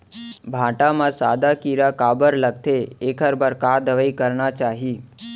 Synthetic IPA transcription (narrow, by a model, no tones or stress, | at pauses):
bʱãːʈamãsa̰ːd̪akiɾakaːbəɾləɡ̚t̪ʰeekʰəɾbəɾkad̪əʋəikəɾnat͡ʃaːɦi